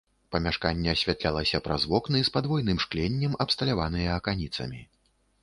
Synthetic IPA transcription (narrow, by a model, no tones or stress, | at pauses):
pɐmʲaʂkanʲːɛːsʲvʲat̪lʲalˠɐsʲɐpɾazvɔknɨspad̪vɔjnɨmʂklʲɛnʲːɛmɐpst̪ɐlʲavanɨjɐːkanʲit̪sɐ̰mʲi